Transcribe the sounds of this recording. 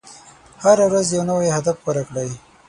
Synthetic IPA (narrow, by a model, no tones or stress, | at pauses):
haɾawɾazjawnawejhad̪afwoɾakɽaj